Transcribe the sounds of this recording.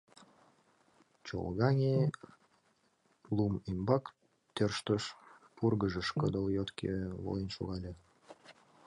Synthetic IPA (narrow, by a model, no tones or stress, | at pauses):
t͡ɕo̰lɣɑŋʲe | lumimbɑk | t̪ørʃt̪əʃpurɣəʒəʃkəd̪oljot̪kḛvo̰jənʃo̰ɣɑlʲe